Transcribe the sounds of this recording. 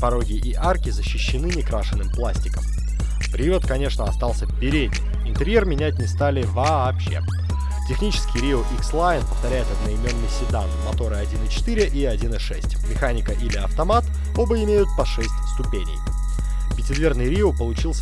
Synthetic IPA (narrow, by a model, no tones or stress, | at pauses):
pɐɾo̞ɡʲɪʔɪʔarkʲɪzəɕːɪɕːɪnɨnʲɪkɾaʂɨnːɨmplˠasʲtʲɪkəm | pɾʲɪot̪kɐnʲe̞ʂnəɐst̪ɑlˠsʲəvbʲɪɾʲedʲnʲɪmɪnt̪ɨɾʲjermʲɪnʲætʲnʲɪst̪alʲɪvɐ | pɕːe̞̰ | tʲɪxnʲit͡ɕɪ̥skʲɪjɾʲioʔikslˠajɪnpəft̪ɐɾʲæjɪt̪ɐd̪nɐɪmʲo̞nːɨjsʲɪd̪anmɐt̪o̞ɾɨɐdʲinɨt͡ɕɪ̥t̪iɾʲɪʔiɐdʲinɨʂɛsʲtʲmʲɪxanʲɪkəʔilʲɪɐft̪ɐmat̪ | o̞bəɪmʲejʊt̪̚pɐʂɛsʲtʲst̪ʊpʲenʲɪ̰j | pʲɪtʲɪd̪vʲe̞rnɨjɾʲiopəlˠʊt͡ɕilˠsʲə